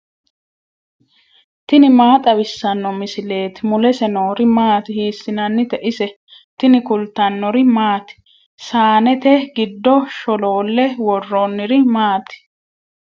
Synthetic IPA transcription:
t̪ɪnɪmaːt̪ʼɐβɪsːɐnːɔmɪsɪle̞ːt̪mʊlɛsɛnoːɾɪmaːt̪ɪhiːsːɪnɐnːɪt̪ɛʔɪsɛ | t̪ɪnɪkʊlt̪ɐnːɔɾɪmaːt̪ɪ̥ | saːnɛt̪ɛɡɪd̪ːɔʃɔloːlːɛwɔrːonːɪɾɪmaːt̪ɪ̥

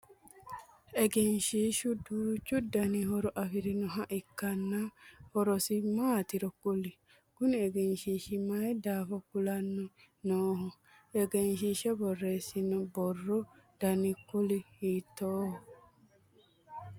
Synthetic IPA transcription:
ɛɡɛnʃiʃuduːt͡ʃudanihɔɾɔʔafiɾinɔɦaʔikːanːahɔɾɔsimaːt̪iɾɔkuli | ɡ̥ʊnɛɡɛnʃiʃimaid̪aːfɔkulanːu | nɔːhɔ | ɛɡɛnʃ̬iʃɛbɔrːɛsinubɔrːɔd̥anikːulihit̪ːɔːhɔ

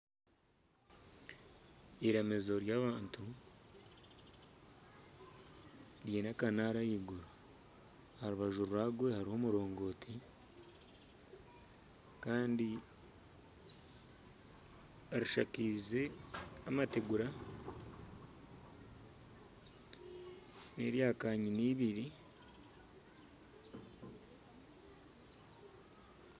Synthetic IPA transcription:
iɾemezo̞ɾjaːβaːntu | ɾjenakanaɾajiɡuɾa | haɾuβaʒuɾuɾaɡwe̞haɾiho̞muɾo̞ːŋɡo̞ːtʰi | kaːndi | aɾiʃakiːze̞amateɡuɾa | ne̞ɾjaːkaɲiniːβiɾi

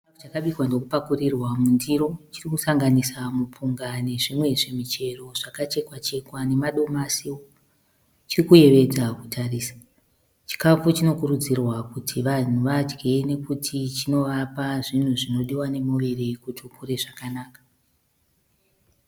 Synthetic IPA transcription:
t͡ʃkafut͡ʃakaɓikwandokupakurirwamundiɾo̞t͡ʃirikusaŋɡanisamup͡fuŋɡane̞ʐimwe̞ʐe̞mit͡ʃe̞ro̞ʐ̥akat͡ʃe̞kwat͡ʃe̞kwane̞maɗo̞masiwo | t͡ʃirikuje̞ʋe̞d͡zaku̥tʰariːsḁ | t͡ʃi̥kafut͡ʃino̞kurud͡zirwakutʰiʋan̤uʋad͡ʒɡe̞ne̞kutʰit͡ʃino̞ʋapaʐin̤uʐino̞ɗiwane̞moʋe̞re̞kutokure̞ʐakanaːkḁ

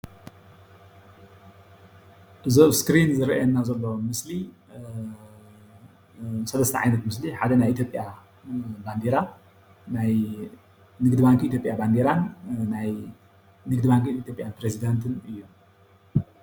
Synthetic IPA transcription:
ʔɨzoβskɾinzɨɾʔajɛnːazɐlːomɨsli | sɐlɐst̪ʰɐʕajnɐt̪mɨsliħad̪ɐnajʔit̪jo̞pʼja | band̪eɾa | naj | nɨɡd̪ɨbaŋkʰit̪ʰjo̞pʼjaband̪eɾanːaj | nɨɡd̪ɨbaŋkiit̪ʰjo̞pʼjanpɾezid̪ant̪ʰɨnɨjːum

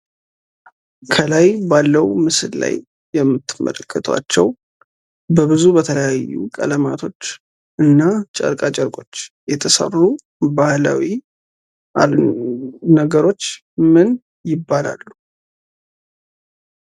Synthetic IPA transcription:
kʰəlajbalːəwmɨsɨlla̰jː | ɛmːɨt̪ːɨmə̰ləkʰːət̪ʰwa̰t͡ʃːɛw | bəβɨzubət̪ʰələjajːṵkʼə̰ləmat̪ʰo̞t͡ʃː | ʔɨnːat͡ʃʼə̰ɾkʼat͡ʃʼəɾkʼo̞t͡ʃː | jɛt̪ʰəsə̰ru | bahlawi | a | nəɡəɾo̞t͡ʃː | mɨn | jɪbːala̰lːu

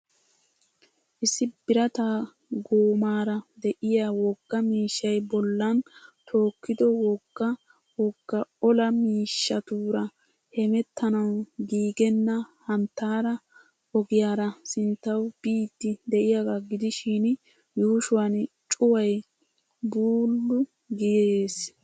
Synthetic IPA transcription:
ʔɪsːɪbɪɾɐt̪aː | ɡoːmaːɾɐd̪ɛʔɪjaːwɔɡ̥ːɐmiːʃːɐjbɔlːɐnt̪ʰo̞ːkːɪd̪ɔwɔɡːɐ | wɔɡːɐɔlɐmiːʃːɐt̪uːɾɐ | hɛmɛt̪ʰːɐnɐwɡiːɡɛnːɐhɐnt̪ːaːɾɐ | ɔɡɪjaːɾɐsɪnt̪ːɐwb̥iːt̪ːɪd̪ɛʔɪjaɡaɡɪd̪ɪʃiːn | juːʃʊwɐnt͡ʃʼʊwɐj | buːlːʊ | ɡɪjeːs

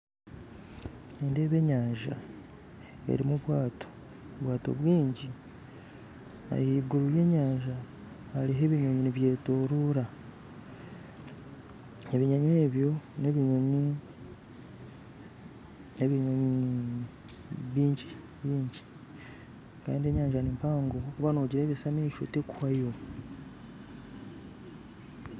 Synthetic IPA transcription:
ende̞ːβe̞ɲaːɲʒa̰ | ḛɾimuβwaːto̥ | βwaːto̞̰βwiːɲɟi | a̰jiːɡuɾuje̞ɲaːɲʒaː | liɦe̞βiɲoɲiniβje̞ːtoːɾuːɾa | eβiɲaɲweːβjo̞neβiɲoɲi | neβiɲoɲi | βiːɲɟi | βiːɲɟi̥ | ka̰ːndieɲaːɲʒanimpaːŋɡoβokuβanoɟiɾeːβesamiiʃo̰teku̥hajo

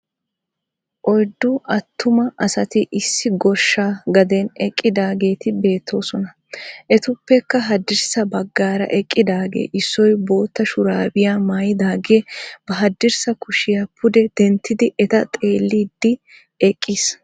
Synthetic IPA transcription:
ʔɔjd̪ːʊʔɐt̪ʰːʊmɐʔɐsɐt̪ɪʔɪsːɪɡɔɾʃːaːɡɐd̪enɛkʼːɪd̪aːɡe̞ːt̪ɪbe̞ːt̪ʰːo̞ːsɔnɐ | ʔɛt̪ʊpːɛkːɐɦɐd̪ːɪɾsɐbɐɡːaːɾɐ̰ʔɛkʼːɪd̪aːɡḛːʔɪsːɔjbo̞ːt̪ːɐʃʊɾaːbɪjaːmaːjɪd̪aːɡeːb̥ɐɦɐd̪ːɪɾsɐkʊʃɪjapʰʊd̪ɛd̪̥ɛnt̪ːɪd̪ɪʔɛt̪ɐt̪ʼe̞ːlːiːd̪ːɪ | ɛkʼːiːs

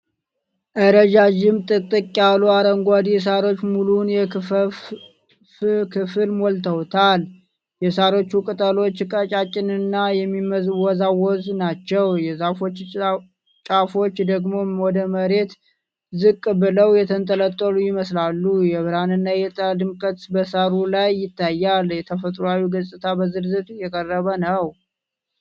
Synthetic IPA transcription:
ʔəɾəd͡ʒad͡ʒɪmt̪ʼɨkt̪ʼɨkʼːjaluaɾəŋɡʷad̪ijɛs̬aɾo̞t͡ʃːmulunjɛ | kʰɨfɨlmolt̪ʰəwt̪ʰal | jɛsaɾo̞t͡ʃːukʼɨt̪ʼəlo̞t͡ʃːkʼət͡ʃʼat͡ʃʼːɪnɨnːajɛmːiməzwɔzawɔznat͡ʃːɛwjɛzafo̞t͡ʃː | t͡ʃʼafo̞t͡ʃːd̪əɡmo̞wɔd̪əməɾe̞t̪ | zɨkʼːbɨləwjɛt̪ʰənt̪ʼələt̪ʼːəlujɪməslalːujɛβɨɾanɨnːajɛt̪ʼəd̪ɨmkʼət̪bəsaɾulajːɪt̪ʰːajːaljɛt̪ʰəfət̪ʼɾoawiɡəsʼɨt̪ʰabəzɨɾzɨt̪ʼjɛkʼərəβənəw

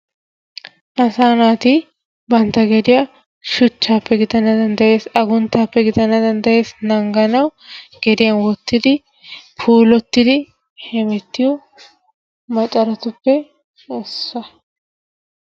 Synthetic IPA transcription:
ʔɐsaːnaːt̪ɪ | bɐnt̪ːɐɡɛd̪ɪjɐ | ʃʊt͡ʃːaːpːɛɡɪd̪ɐnːɐd̪ɐnd̪ɐje̞ːsɐɡʊnt̪ːaːpːɛɡɪd̪ɐnɐd̪ɐnd̪ɐje̞ːsnɐŋɡɐnɐwɡ̥ɛd̪ɪjɐnwɔt̪ːɪd̪ɪ | pʰuːlɔt̪ːɪd̪ɪ | hɛmɛt̪ːɪjɔ | mɐt̪ʼɐɾɐt̪ʊpːɛ | ɔsːɐ

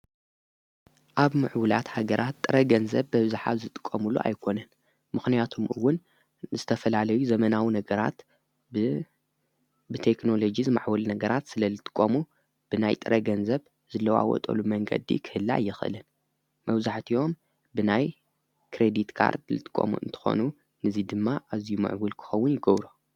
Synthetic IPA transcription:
ʔaβmɨʕwula̰t̪haɡɐɾʔat̪ːʼɨɾɐɡɐnzɐβbɐβɨzuħazɨt̪ʼɨ̥kʼːɐmuluʔa̰jkʰo̞nɐn | mɨxnijat̪ʰomʔɨwːʊn | zɨt̪ʰɐfɐlalɐjuzɐmɐnawinɐɡɐɾa̰t̪ | bɨt̪ʰekno̞lo̞d͡ʒizɨma̰ʕwɐlnɐɡɐɾat̪sɨlɐlɨt̪ʼɨ̥kʼːomu | b̥ɨnajt̪ʼɨɾʔɐɡɐnzɐβ | zɨlːɐwa̰wɔ̰t̪ʼɐ̰lumɐŋɡɐ̰d̪ḭkʰɨ̥hɨlːa̰jːɪxʔɨ̰lɨn | mɐβzaħt̪ʰio̞m | bɨnaj | kʰɾed̪it̪kʰa̰ɾd̪lɨ̰t̪ʼɨ̥kʼːo̰mṵʔɨ̰nt̪ʰɨ̥xo̰nu | nɨzid̪ɨmːaʔazijumɨ̰ʕbulkʰɨ̥xɐwːʊnjɪɡɐβɾo

